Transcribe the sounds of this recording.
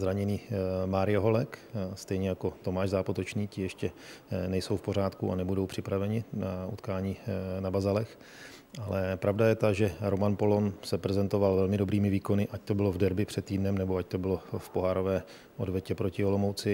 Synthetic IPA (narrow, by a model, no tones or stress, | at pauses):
zɾaɲɪniːmaːɾɪjaɦo̞lɛkst̪ɛjɲɛjako̞t̪o̞maːʒzaːpot̪ot͡ʃniːcɪjɛʃcɛnɛjso̞wfpoɾ̝aːt̪kua̰nɛbudo̞wpr̝̥ɪpɾavɛɲɪnaʔṵt̪kaːɲiːnabazalɛx | ʔalɛpɾʔavdajɛt̪aʒɛɾo̞manpo̞lonsɛpɾɛzɛnt̪o̞valvɛlmɪdo̞bɾiːmɪviːko̞nɪʔac̚t̪o̞bɪlovdɛɾbɪpr̝̥ɛt̪ːiːdnɛmnɛbo̞ac̚t̪o̞bɪlo̞fpo̞ɦaːɾovɛː | ʔodvjɛcɛpɾo̞cɪolo̞mowt͡sɪ